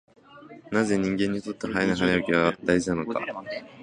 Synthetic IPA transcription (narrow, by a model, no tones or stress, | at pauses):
naze̞ɲ̟ĩŋɡẽ̞ɲ̟ːit̪o̞t̪ːeɦainaɦanejokʲiβad̪aiʑinano̞ka̰